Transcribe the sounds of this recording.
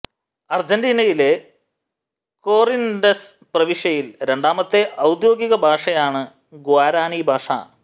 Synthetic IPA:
ɐrd͡ʑɐndiːnɐjile̞ | ko̞ːrindɐs | prɐʋiʂjɐjilɾe̞ɳɖaːmɐt̪ːe̞ʔɐwd̪jo̞ːɡiɣɐbʱaːʂɐjaːɳɨ | ɡoaːɾaːnibʱaːʂa̰ː

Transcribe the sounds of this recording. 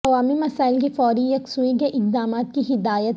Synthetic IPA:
ɐʋaːmimɐsaːɪlk̬ifɔːɾijɐksuːiɡeʔɪq̚d̪aːmaːt̪̚kiɦɪd̪aːjət̪

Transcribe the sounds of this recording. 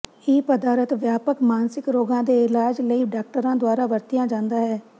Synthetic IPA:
ɪːpəd̪aːɾət̪ʋjaːpəkmaːnsɪkɾoːɡãːd̪eːɪlaːd͡ʒləiːɖaːk̚ʈəɾãːd̪owaːɾaːʋəɾt̪ɪjãːd͡ʒãːnd̪aːɦɛː

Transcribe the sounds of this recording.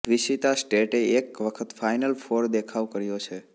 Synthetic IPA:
ʋiʃit̪asʈeʈeekʋəkʰət̪fajnəlfʰoɾd̪ekʰaʋkəɾjot͡ʃʰe

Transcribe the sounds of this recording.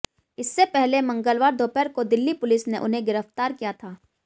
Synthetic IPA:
ɪsːepɛɦlemɐ̃ŋɡəlʋaːɾd̪ʱoːpɛɾkod̪ɪlːipʊlɪsneʔʊ̰nɦẽɡɪɾəft̪aːɾkijat̪ʰaː

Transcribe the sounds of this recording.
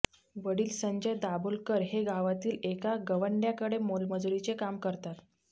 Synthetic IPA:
ʋəɽiːlsəɲd͡ʑəjd̪abulkəɾɦeɡʱaʋat̪iːlekaɡəʋəɳɖjakəɽemolməd͡zuɾit͡sekamkəɾt̪at̪

